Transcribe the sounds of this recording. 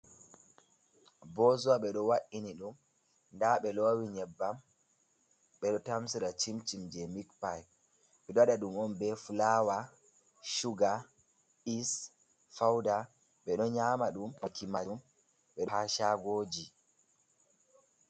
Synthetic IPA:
bɔzuwaɓɛɗɔwaʔiniɗum | ndaɓɛlowiɲɛbːam | ɓɛɗɔtamsiɾat͡ʃimt͡ʃimd͡ʒɛmikpaj | ɓɛɗɔaɗaɗumɔnbɛfulawa | ʃuɡa | is | fawda | ɓɛɗɔɲaːmaɗumɔkimam | ɓɛɗɔhaʃaɡoːd͡ʒi

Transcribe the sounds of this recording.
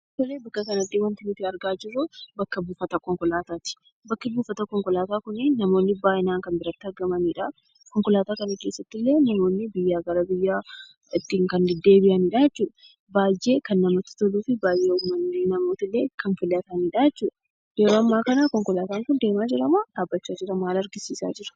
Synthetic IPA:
t̪ɔleːbɐkːɐkɐnɐd̪ɪwɐnt̪ɪnɪt̪ːɪɐɾɡaːd͡ʒɪrːʊbɐkːɐbuːfɐt̪ɐkɔŋkɔlaːt̪aːt̪ɪ̥ | bɐkːɪbuːfɐt̪ɐkɔŋkɔlaːt̪aːkʊnɪnɐmo̞ːnːɪbaːjɪnaːŋkɐmbɪɾɐt̪ːɪɐɾɡɐmɐniːᶑɐ | kɔŋkɔlaːt̪aːkɐnɐke̞ːsːɐt̪ːɪlːe̞ːnɐmo̞ːnːɪbɪjːaːɡɐɾɐbɪjːaː | ɪt̪ːiːŋkɐnd̪ɛd̪ːe̞ːbɪʔɐniᶑajɛt͡ʃːuːᶑɐ | baːjːe̞ːkɐnːɐmot̪ːɪ̥t̪ɔluːfɪbaːjːeːʊmːɐnːeːnɐmo̞ːt̪ɪlːe̞ːkɐnfɪlːɐt̪ɐniːᶑajɛt͡ʃːuːᶑɐ | jɛɾoːɐmːaːkɐnakɔŋkɔlaːt̪aːŋkʊnd̪e̞ːmaːd͡ʒɪɾɐmaːᶑaːbːɐt͡ʃːaːd͡ʒɪɾɐmaːlɐɾɡɪsiːsa̰ːd͡ʒɪɾɐ̥

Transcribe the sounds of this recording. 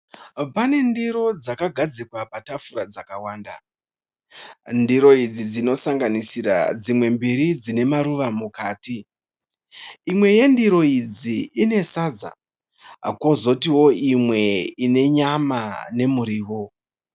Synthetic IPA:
pane̞ndiɾo̞d͡zakaɡʱad͡zikwapatafuɾad͡zakawaːnda̰ | ndiɾo̞id͡zid͡zino̞saŋɡanisiɾa̰d͡zimwe̞mbiɾid͡zine̞maɾuʋamukaːti | mwe̞je̞ndiɾo̞id͡ziine̞sad͡za̰ | kwo̞zo̞tiwo̞imwe̞ine̞ɲamane̞muɾiːʋo̞

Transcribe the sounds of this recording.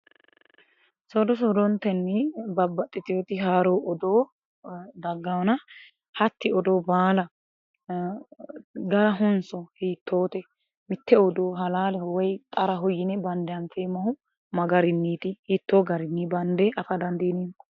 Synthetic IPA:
sɔd̪ɔs̬ɔd̪ɔnt̪ːɛnːɛbɐbːɐt̪ʼːɪt̪ɪjoːt̪ɪɦaːɾoːʔɔd̪oː | d̪ɐɡːɐwnɐ | hɐt̪ːɪɔd̪oːbaːlɐ | ɡɐɾɐɦʊnsɔhiːt̪ʰːoːt̪ɛ | mɪt̪ːɛɔd̪oːɦɐlaːlɛhɔwɛjt̪ʼɐɾɐɦʊjɪnɛbɐnd̪ɛɐnfeːmɐhʊ | mɐɡɐɾɪnːiːt̪ɪhiːt̪ːoːɡɐɾɪnːibɐnd̪ɛʔɐfɐd̪ɐnd̪iːnin

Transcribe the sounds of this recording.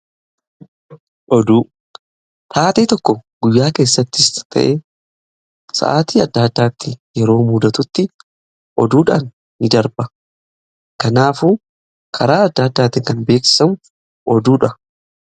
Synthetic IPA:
ʔɔd̪uː | t̪aːt̪eːt̪ɔkːɔɡʊjːaːke̞ːsːɐt̪ːɪst̪ʰɐ̰ʔeː | sɐ̰ʔaːt̪iːɐd̪ːɐd̪ːaːt̪ːɪjɛɾo̞ːmuːd̪ɐt̪ʊt̪ːɪ | ʔɔ̰d̪uːᶑaːnː | ɪd̪ɐɾbɐ | kɐnaːfuː | kʰɐɾaːɐd̪ːɐːd̪ːaːt̪ːɪŋkɐnbe̞ːkssɐmʊ | ʔɔd̪uːᶑɐ

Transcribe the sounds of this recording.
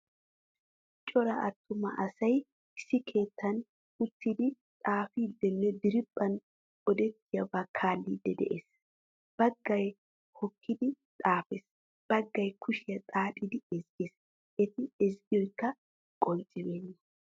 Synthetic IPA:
t͡ʃʼɔɾɐʔɐt̪ːʊmɐ̰ʔɐsɐj | ɪsːɪkʰe̞ːt̪ːɐn | ʊt̪ːid̪ɪ | t̪ʼaːfiːd̪ːɛnːɛd̪ɪɾɪpʼːɐn | ɔd̪ɛt̪ːɪjɐbakʰaːlːiːd̪ːɛd̪ɛ̰ʔeːs | b̥ɐɡːɐj | hɔkʰːɪd̪ɪt̪ʼaːfes | b̥ɐɡːɐjkʰʊʃɪjɐt̪ʼaːtʼɪd̪ɪɛzɡes | ʔɛt̪ɪɛzɡɪjɔjkːɐ | kʼɔnt͡sʼɪbeːnːɐ

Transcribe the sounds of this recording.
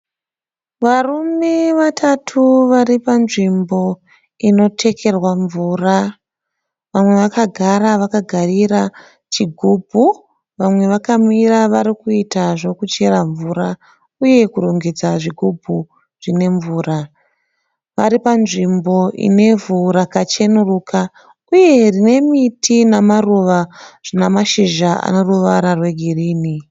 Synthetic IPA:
ʋarume̞ʋatʰatʰuʋaɾipanʐimbo̞ | ino̞tʰe̞kʰe̞rwaɱvuːra | ʋamwe̞ʋakaɡʱaɾaʋakaɡʱarira | t͡ʃiɡʱuːbʱu | ʋamwe̞ʋakamiɾaʋaɾikuitaʐo̞kut͡ʃe̞ɾaɱvuɾa | uje̞kuɾoŋɡe̞d͡zaʐiɡʱubʱu | ʐ̥ine̞ɱvuːra | ʋaɾipanʐimbo̞ʔḭne̞vuɾakat͡ʃe̞nuruːka | uje̞rine̞mitʰinamaruʋaʐ̥inamaʃiʒaa̰no̞ruʋaɾarwe̞ɡʱiriːni

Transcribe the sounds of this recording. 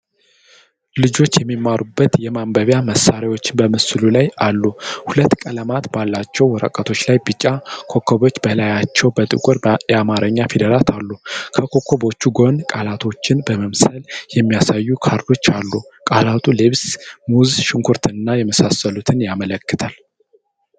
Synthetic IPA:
lɨd͡ʒo̞t͡ʃːjɛmːimːaɾubːət̪jɛmambəβjaməsːaɾawo̞t͡ʃːɪnbəmɨsɨlulajalːuhulət̪ːkʼələmat̪balːat͡ʃːɛwwɔɾə̰kʼət̪ʰo̞t͡ʃːlajbɨt͡ʃʼːakʰo̞kʰːoβo̞t͡ʃːbəlajat͡ʃːɛwbət̪ʼɨ̰kʷʼʊɾjɛamaɾʔəɲːafed̪əɾat̪ʰalːukʰəkʰo̞kʰo̞bo̞t͡ʃːuɡo̞nkʼalat̪ʰo̞t͡ʃːɪnbəməmsəljɛmːijasajːukʰaɾd̪o̞t͡ʃːalːukʼalat̪ʰuleβsmuzʃɪŋkʰuɾt̪ʰɨnɨnːajɛməsasːəlut̪ʰɨnjamələkːɨt̪ʰal

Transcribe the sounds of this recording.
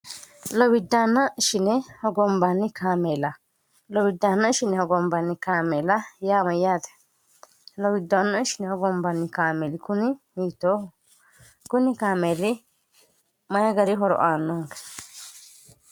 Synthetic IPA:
lɔwɪd̪ːaːnːɐɪʃɪnɛhɔɡɔmbanːɪkʰaːmeːlɐ | lɔwɪd̪ːaːnːɐɪʃɪnɛhɔɡɔmbanːɪkaːmeːlɐjaːmɐjːaːd̪ɛ̥ | lɔwɪd̪ːaːnːɐɪʃɪnɛhɔɡɔmbanːɪkaːmeɾɪkʊnɪhiːt̪ːoː | kʊnɪkaːmeːɾɪ | mɐjɐɡɐɾɪɦɔɾɔ̰ʔaːnːɐŋkɐ̥

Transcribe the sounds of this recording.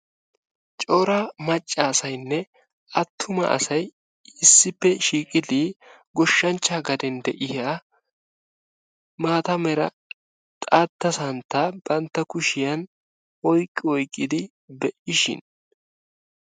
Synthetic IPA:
t͡ʃʼoːɾɐmɐt͡ʃʼːaːsɐjnːɛ | ɐt̪ʰːʊmɐ̰ʔɐ̰sɐj | ɪsːɪpːɛʃiːkʼɪd̪iɡɔʃːɐnt͡ʃːaːɡɐd̪ɛnd̪ɛʔɪhaː | maːt̪ɐmɛɾɐ | t̪ʼaːt̪ːɐsɐnt̪ːab̥ɐnt̪ːɐkʊʃɪjɐn | ɔjkʼːɪɔjkʼːɪd̪ɪ | bɛʔɪʃɪ̰n

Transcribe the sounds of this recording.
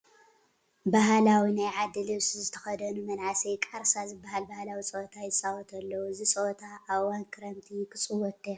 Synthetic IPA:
baɦalawinajʕad̪ːɨlɨβsizɨt̪ʰɐ̥xɐd̪ɐnumɐnʕasikʼaɾsazɨbːaɦalbahlawit͡sʼoʔt̪ʰajɪsʼawɔt̪ʰɐlːɐwuɨzisʼot̪ʰaʔːβwankʰɨɾɐmt̪ʰikʰɨt͡sʼɨwɔt̪ʰːi

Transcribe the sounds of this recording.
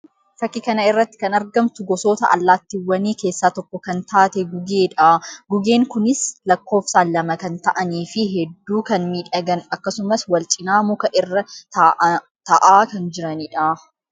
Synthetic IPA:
fɐkːɪkɐnɐɪrːɐt̪ːɪ̥kɐnɐɾɡɐmt̪ʊɡɔso̞ːt̪ɐʔɐ̰lːaːt̪ːɪwːɐniːke̞ːsːaːt̪ɔkːɔkɐnt̪aːt̪ɛɡʊɡeːᶑaːɡʊɡe̞ːŋkʊnɪslɐkːo̞ːfsaːlːɐmɐkɐnt̪ɐʔɐniːfɪɦɛd̪ːuːkɐnmiːᶑɐɡɐnɐkːɐsʊmɐswɐlt͡ʃʼɪnaːmʊkɐʔɪrːɐ | t̪ɐʔaːkɐnd͡ʒɪɾɐniːᶑa

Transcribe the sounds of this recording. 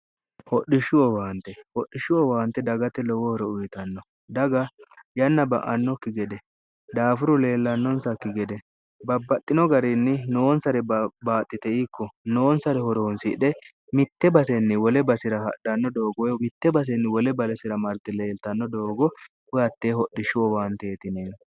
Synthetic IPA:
hɔɗɪʃʊɔwaːnt̪ːɛhɔɗːɪʃʊwɔwaːnt̪ːɛd̪ɐɡɐt̪ɛlɔwɔhɔɾɛʊjt̪ɐnːɔ | d̪ɐɡɐjɐnːɐbɐ̰ʔɐnːɔkɪɡɛd̪ɛ | d̪aːfʊɾʊle̞ːlːɐnːɔnsɐkɪɡɛd̪ɛ | bɐbːɐt̪ʼːɪnɔɡɐɾɪnːɪnoːnsɐɾɛbaːt̪ʼːɪt̪ɛikːɔno̞ːnsɐɾɛhɔɾoːnsɪᶑɛ | mɪt̪ːɛbɐsɛnːɪwɔlɛbɐsɪɾɐhɐ̰ɗɐnːɔd̪o̞ːɡɔjɔmɪt̪ːɛbɐs̬ɛnːɪwɔlɛbɐlɛsɪɾɐmɐɾt̪ːɛle̞ːlt̪ɐnːɔd̪o̞ːɡɔ | hʊjɐt̪ːeːhɔɗːɪʃʊɔwaːnt̪eːt̪ɪneːn

